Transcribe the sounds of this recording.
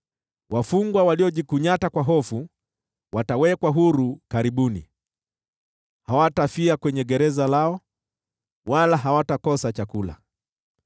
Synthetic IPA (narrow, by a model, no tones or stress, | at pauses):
wʔafuŋɡwawaliɔʄikuɲatakwaɦɔfu | watawɛkwaɦuɾukaɾiɓunḭ | hawatafiakwɛɲɛɡɛɾɛzalaɔ | walaɦawatakɔsat͡ʃakula̰